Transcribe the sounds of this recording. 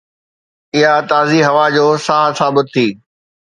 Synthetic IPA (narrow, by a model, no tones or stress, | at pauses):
ɪɦat̪aːziɦɐʋad͡ʑoːsaːɦsãːbʊd̪̚ʱt̪ʰiː